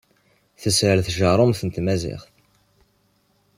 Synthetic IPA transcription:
θəsʕəlθʒəɾˤomθənt̪mæzɪ̰χθ

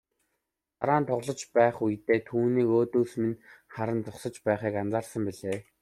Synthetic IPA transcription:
aɾaːnt̪ʰʊʁɮɞ̆t͡ɕpæːχujt̪eːt̪ʰuːniːkoːt̪oːsminχaɾə̆nt͡sʊχsə̆t͡ɕpæːχiːkant͡saːrsə̆mpiɮeː

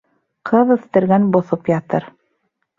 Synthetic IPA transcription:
qʰɤðɵ̆θt̪ɘ̆ɾɡænbŏθopjɑt̪ɤɾ

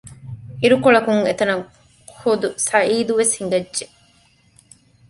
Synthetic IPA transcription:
iɾukoɭɐkuŋet̪ɐnɐŋ | hod̪usɐʔiːd̪uʋeshiŋɡɐdːʒe

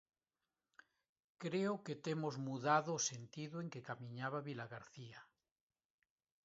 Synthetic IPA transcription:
kɾeoket̪emozmuðaðoːsent̪iðoeŋkekamĩɲaβaβilaɣaɾθia

